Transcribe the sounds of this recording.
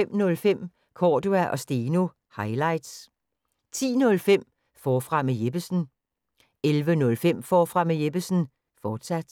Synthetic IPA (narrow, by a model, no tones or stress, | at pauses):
em̰nɔ̽lfem̰ | kʰɒːduæʔɒ̽sd̥eːno̝ | hɑ̈ɪlɑ̈ɪd̥s | t͡sʰḭːnɔ̽lfem̰ | fɒːfʁɑ̈mejeb̥əsn̩ | elʋənɔ̽lfem̰fɒːfʁɑ̈mejeb̥əsn̩ | fɒːd̥sæd̥